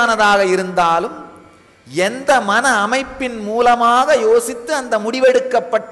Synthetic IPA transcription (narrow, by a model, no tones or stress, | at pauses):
nɐðaːɣɐɪɾɯnd̪aːlɯm | ɛnd̪ɐmɐnɐːmɐɪpːɪnmuːlɐmaːɣɐjoːsɪt̪ːɯɐnd̪ɐmʊɽɪʋɛɽɯkːɐpːɐʈː